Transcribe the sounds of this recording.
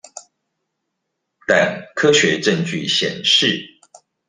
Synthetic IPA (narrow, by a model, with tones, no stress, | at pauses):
t̪a˨˩nkʰɤ˦ɕɥɛ˨˦ʈ͡ʂə˥˧ŋt͡ɕy̰˥˨ɕjɛ̰˨˩nʂɻ̩˥˨